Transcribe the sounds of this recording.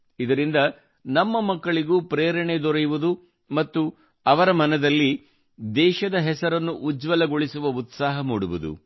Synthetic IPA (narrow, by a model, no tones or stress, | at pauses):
id̪ɐɾind̪ɐ | nɐmːɐmɐkːɐɭiɡuːpɾeːɾɐɳed̪ɔɾɐjuʋud̪u | mɐt̪ːu | ɐʋɐɾɐmɐnɐd̪ɐlːi | d̪ɛːʃɐd̪ɐɦɛsɐɾɐnːuʔːd͡ʒʋɐlɐɡoɭisuʋɐut̪saːɦɐmuːɽuʋud̪ṵ